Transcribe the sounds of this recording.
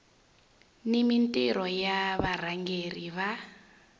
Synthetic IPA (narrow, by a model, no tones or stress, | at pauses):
nimintʼiɾɔjaβar̤aŋɡeriβa